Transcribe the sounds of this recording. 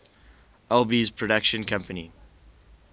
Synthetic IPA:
ɛlˠbizpʰɹ̥ɔdakʃə̃nkʰʌ̃mpənḭ

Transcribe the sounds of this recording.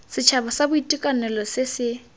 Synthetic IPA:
sɪt͡ʃʰabɔsabʊitʼikʼanɛlɔsɪsɪ

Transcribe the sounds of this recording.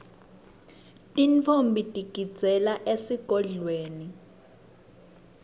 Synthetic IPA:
tʼint͡fʰombʱitʼiɡ̥ʱi̥d͡zʱɛlaʔesiɡ̥ʱɔɮweːni

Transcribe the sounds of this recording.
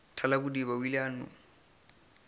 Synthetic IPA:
tʰalakʊdibawilanʊ̰

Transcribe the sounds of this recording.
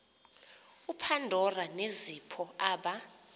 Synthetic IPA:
upʰandʱɔranezipʰɔaːɓa

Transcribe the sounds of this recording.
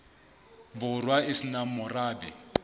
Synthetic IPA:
bʊrwaɪsinamʊraːbɛ

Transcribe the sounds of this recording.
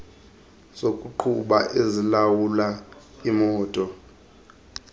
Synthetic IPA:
z̥okʼuǃʰuɓa̰ʔezilawula | imɔːtʼɔ

